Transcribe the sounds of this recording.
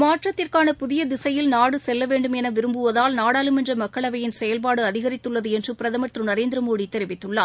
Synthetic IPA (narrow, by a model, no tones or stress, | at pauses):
maːʈrɐt̪ːɪrkaːnɐpʊðɪjɐd̪ɪsɐjɪlnaːɽɯsɛlːɐʋeːɳɖɯmɛnɐʋɪɾɯmbɯʋɐðaːlnaːɽaːlɯmɛndrɐmɐkːɐɭɐʋɐjɪnsɛjɐlpaːɽɯɐðɪɣɐɾɪt̪ːɯɭːɐðɯɛndrɯpɪɾɐðɐmɐʈ̪rɯnɐɾeːnd̪ɪɾɐmoːɽit̪ːɛɾɪʋɪt̪ːɯɭːaː